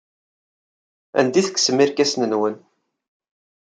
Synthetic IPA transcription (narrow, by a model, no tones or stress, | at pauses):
æ̰nd̪iθə̥kːsəmiɾkæsnənwən